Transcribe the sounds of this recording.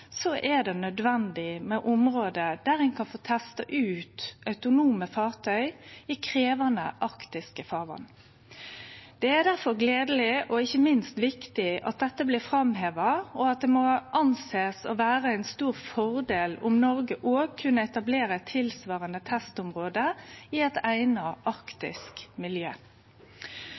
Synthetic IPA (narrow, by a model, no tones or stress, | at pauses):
sɔʔæd̪ɛnœd̪ʋɛnd̪ɪmɛʔʊmʁoːd̪əd̪æɾɛnkʰɑnfoːt̪ʰɛst̪ɑʔʉːt̪œʉt̪ʊnuːməfɑːʁt̪ʰœʏɪkʰʁeːʋənə̰ʔɑkt̪ɪskəfɑːʋɑ̰n | d̪̥ɛæɾd̪æʁfɔʁɡleːd̪əlɪʔɔɪçːəmɪnst̪ʋɪkt̪ɪʔɑ̰t̪̚d̪ɛt̪ːəblɪːfʁɑmɦeːʋɑɔɑt̪̚d̪ɛmɔʔɑnseːsɔ̰ʋæːʁəæɪnst̪uːʁfɔʁd̪eːlʊmnɔʁɡəʔoːkʰʉnəɛt̪ɑbleːʁəɛt̪ʰɪlsʋɑːʁənət̪ʰɛst̪ʊmʁoːd̪əɪɛt̪æɪnɑʔɑʁkt̪ɪ̰skmɪljø̰ː